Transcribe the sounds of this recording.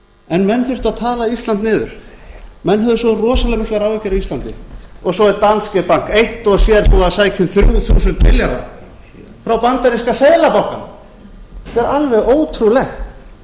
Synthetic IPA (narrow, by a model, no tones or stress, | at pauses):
ɛnmɛnːθʏr̥t̪aðt̪ʰaːlaist̪lant̪nɪːðʏ̰ɾ̥ | mɛnːɦœðʏsɔrɔːsalɛɣmɪskaɾawvɛcːɛɾaist̪lant̪ɪɔɣsɔɛɾt̪anscɛpaŋ̥kejht̪ɔɣsjɛɾpuasaːjcʰʏmθɾṵwθṵsʏnt̪mɪ̰ljaɾa̰ | fɾawpant̪aɾiskaseðlapawkan | t̪ɛɾalvɛɣoːwt̪ʰɾulɛxt̪